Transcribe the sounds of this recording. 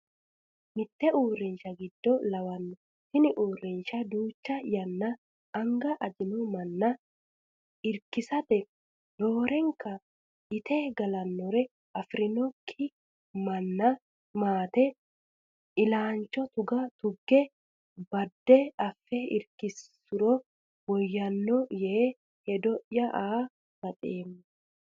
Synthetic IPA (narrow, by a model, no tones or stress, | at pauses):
mɪt̪ːɛuːrːɪnʃɐɡɪd̪ːɔlɐwɐnːɔ | tɪnɪʔuːrːɪnʃɐd̪uːt͡ʃːɐjɐnːɐː | ŋɡɐʔɐd͡ʒɪnʊmɐnːɐ | ɪɾkɪsɐt̪ɛ | doːɾɛŋkɐ | ɪt̪eːɡɐlɐnːɔɾɛ | ʔɐfɾɪnɔkʰːɪ | mɐnːɐ | maːt̪ɛ | ʔɪlaːnt͡ʃːɔt̪ʊɡɐt̪ʊɡːɛ | bɐd̪ːɛɐfːɛɪɾkɪs | ʊɾɔ | wɔjːɐnːɔjɛ | hɛd̪ɔʔjɐʔaː | b̥ɐt̪ʼeːmːʊ